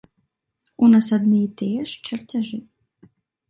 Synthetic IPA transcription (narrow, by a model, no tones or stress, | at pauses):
unasad̪nɨjit̪ɛjɛʂt͡ʃɐrt͡sʲaʐɨ